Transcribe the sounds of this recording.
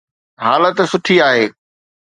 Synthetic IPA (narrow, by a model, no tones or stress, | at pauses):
ɦaːlət̪sʊʈʰiaːɦeː